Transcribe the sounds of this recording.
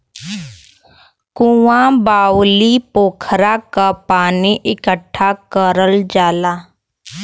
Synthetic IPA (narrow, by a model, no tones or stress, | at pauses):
kũwãbaːwlipoːkʰɾakapaːniʔɪkəʈʰːakəɾəld͡ʒaːlaː